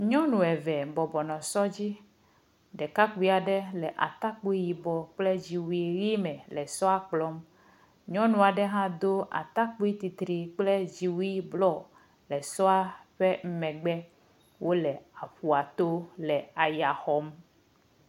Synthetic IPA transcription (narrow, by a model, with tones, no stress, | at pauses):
ɲɔ̃˦nũ˨ɛ˨vɛ˨bɔ˨bɔ˨nɔ̃˨sɔ˦d͡ʑi˦ | ɖɛ˨ka˦k͡pu˦i˦a˨ɖɛ˦lɛ˨ʔa̰˨t̪a˦k͡pu˦i˦ji˨bɔ˨k͡ple˦d͡ʑi˨wu˦i˦ɣi˦mɛ̃˨lɛ˨sɔ˦a˦k͡plɔ˦m | ɲɔ̃˦nũ˦a˨ɖɛ˦ɦã˦d̪o˦a̰˨t̪a˦k͡pu˦i˦t̪i˨t̪ɾi˨k͡plɛ˦d͡ʑi˨wu˦i˦blɔ˦˨ | lɛ˨sɔ˦a˦ɸe˦m̩˦mɛ̃˨ɡ͡bɛ˦ | wʔo˦lɛ˨a˨ɸu˨a˨t̪o˦lɛ˨a˨ja˨xɔ˨˦m